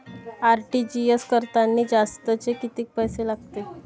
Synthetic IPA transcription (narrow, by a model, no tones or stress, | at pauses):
aɾʈid͡ʑieskəɾt̪anːiːd͡zast̪ət͡sekit̪iːk̚pəjselaɡt̪e